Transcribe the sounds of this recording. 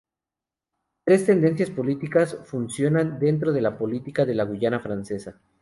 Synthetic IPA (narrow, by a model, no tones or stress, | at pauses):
t̪ɾe̞st̪e̞nd̪e̞nsjaspo̞lit̪ikasfunsjo̞nand̪e̞nt̪ɾo̞ð̞e̞lapo̞lit̪ikaðe̞laɣuʝanafɾanse̞sa